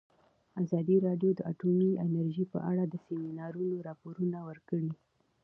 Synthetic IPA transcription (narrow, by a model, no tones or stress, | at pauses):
azɑd̪iɾɑɖjod̪əʔa̰ʈomiɪnaɾʒipə̰ʔa̰ɽad̪əseminɑɾunoɾɑpoɾunawəɾkəɽi